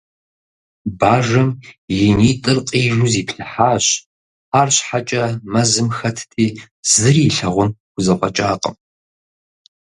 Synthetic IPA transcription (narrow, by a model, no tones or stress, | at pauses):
baːʒɐmjɪniːtʼɨrqʼiːʒuziːpʰɬɨħaːɕ | aːrɕħat͡ʃʼɐmɐzɨmxɐtʰtʰʼiː | zɨriːɬɐʁʷʊnɡ̥ʷʊzɐqʷʼɔt͡ʃʼaːqʼə̰m